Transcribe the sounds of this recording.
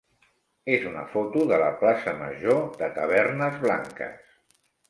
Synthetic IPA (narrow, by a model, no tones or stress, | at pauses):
ezunə̰fot̪uðələplasəmə̰ʒoðət̪əβ̞ɛrnəzβla̰ŋkə̰s